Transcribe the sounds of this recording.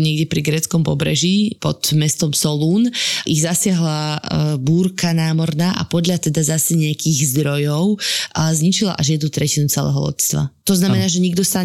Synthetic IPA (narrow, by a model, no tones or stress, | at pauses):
ɲɛɡdɛpɾiɡɾɛːt͡skɔmpɔbɾɛ̰ʒipɔt̪mɛst̪ɔmsɔluːnʔiɣzasɪaɦlabuːɾkanaːmɔɾnaːʔa̰pɔd̪ʎat̪ɛd̪azasɛɲɛakiɣzd̪ɾɔjɔʊzɲit͡ʃila̰ʔaʒjɛd̪nut̪ɾɛcinut͡sɛlɛ̰ɦɔlɔ̰tst̪ʋa̰t̪ɔznamɛnaːʒɛɲiɡd̪ɔsa